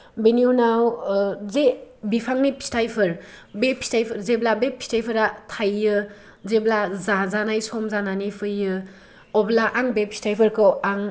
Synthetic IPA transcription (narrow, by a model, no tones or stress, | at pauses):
beniunawzebipʰaŋnipʰi̥stajpʰɯɾbepʰi̥stajpʰɯɾzeblabepʰi̥stajpʰɯɾatʰajːɯ | zeblazazanajsɔmzananipʰɯjɯ | ɔblaʔaŋbepʰi̥stʰajpʰɯɾkʰɯwaŋ